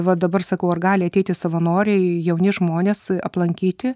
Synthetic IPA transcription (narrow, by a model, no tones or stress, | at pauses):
ʋɐd̪ɐbɐrsɐkɐʊɐrɡɑːlʲɪɐt̪ʲɛɪt̪ʲɪsɐʋɐnoːɾʲɛɪjɛʊnʲɪʒmoːnʲeːsɐ̰plˠɐŋʲkʲiːt̪ʲɪ